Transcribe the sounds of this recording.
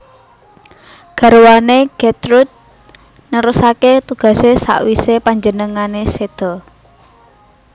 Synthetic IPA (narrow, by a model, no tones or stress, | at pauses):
ɡ̥a̤ɾuwaneɡ̥et̪ɾud̪̚ | nəɾusaket̪uɡ̥ä̤sesa̰ʔwisepaɲd͡ʒənəŋanesed̪̥ɔ̤